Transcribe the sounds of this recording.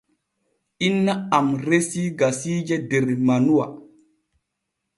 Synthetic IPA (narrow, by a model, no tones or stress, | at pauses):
inːaamɾesiɡasid͡ʒedeɾmanuwa̰